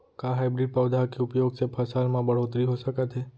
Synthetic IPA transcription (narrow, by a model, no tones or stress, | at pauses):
kãɦajbɾiɖ̚pəʋd̪ʱakeʊpjoɡsepʰəsalmãbəɽ̤ot̪ɾiɦosəkat̪ʰe